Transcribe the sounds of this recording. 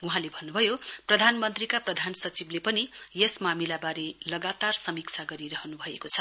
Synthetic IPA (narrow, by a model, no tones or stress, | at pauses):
uɦãlebʱʌnːubʱʌjoprʌd̪ʱanmʌnt̪rikaprʌd̪ʱansʌt͡siblepʌnijesmamilabaɾelʌɡat̪arsʌmikt͡sʰaɡʌɾiɾʌɦʌnubʱʌekot͡sʰʌ